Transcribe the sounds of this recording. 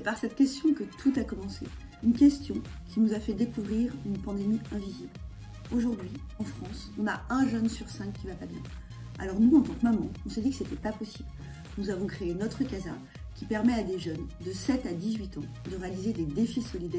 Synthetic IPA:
sɛpaʁsɛt̪kʲɛst̪jɔ̃kət̪ʰut̪akɔmɑ̃sḛ | ynkʲɛst̪jɔ̃kʲinuzafɛd̪ekuvʁiʁynpɑ̃d̪emiɛ̃vizibl | oʒuʁd̪ɥiɑ̃fχɑ̃sɔ̃naɛ̃ʒœnsyʁsɛ̃kʲːivapabjɛ̰̃ | a̰lɔʁnuɑ̃t̪ɑ̃kmamɑ̰̃ɔ̃səd̪ikə̥set̪ɛpapɔsibl | nuzavɔ̃kχeenɔt̪χəkaza̰ʁ | kʲipɛʁmɛad̪eʒœnd̪əsɛt̪ad̪izɥit̪ɑ̃ | d̪əʁealized̪ed̪efisɔlid̪ɛ

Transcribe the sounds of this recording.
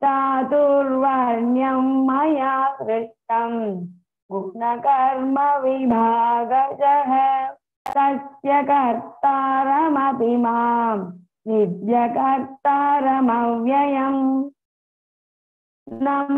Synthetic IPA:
t̪aːt̪uɾʋaɾɳjɐmːɐjaːkɾɪʂʈɐm | ɡupnɐkɐɾmɐʋibʱaːɡɐt͡ʃɐɦɐ | t̪ɐsjɐkɐɾt̪aɾɐmɐpimaːm | nid̪jɐkɐɾt̪aːɾɐmɐʋjɐjɐm | nɐ

